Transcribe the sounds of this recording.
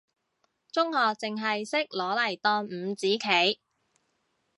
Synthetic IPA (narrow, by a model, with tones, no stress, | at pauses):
t͡sʊ˥ŋhɔː˨˧k̚t͡sɪ˨ŋɦɐ˨jsɪ˥k̚lɔː˨˥lɐ˨˩jt̪ɔː˧nm̩˨˧˥t͡siː˨˥kʰe˨˥j